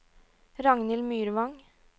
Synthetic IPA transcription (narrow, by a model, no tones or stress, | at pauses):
ɾɑŋnɪlmyːɾʋɑŋ